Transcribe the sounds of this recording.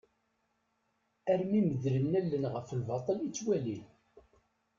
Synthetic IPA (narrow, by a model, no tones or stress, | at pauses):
æɾmiməðɾəmnælːənʁəfəlvɑt̪ˤəlit͡sːwælin